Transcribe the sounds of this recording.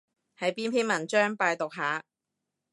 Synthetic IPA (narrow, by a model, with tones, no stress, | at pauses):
hɐ˨jpiː˥npʰiː˥nmɐ˨˩nt͡ʃœː˥ŋpaː˧jt̪ʊ˨k̚ɦaː˨˥